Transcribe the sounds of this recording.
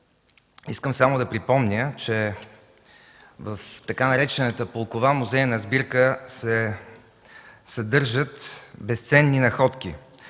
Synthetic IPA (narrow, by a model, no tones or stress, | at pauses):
iskəmsamoʊd̪ɐpɾipɔmnʲət͡ʃɛ | vəft̪ɐkanɐɾɛt͡ʃɛnət̪əpolˠkovamuzɛjənɐzbiɾkəsɛ | sɐd̪ɤɾʒət̪bɛst̪sɛnːinɐxɔt̪k̟i